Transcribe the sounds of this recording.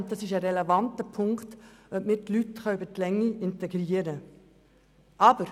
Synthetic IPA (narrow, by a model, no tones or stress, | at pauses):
t̚d̥ɑsɪʃɛɾɛlɛvɑntəpʰʊŋktømɪtːlytχɑybətlɛŋːiʔɪnteɡ̥ɾiːəɾə | ʔɑːbəɾ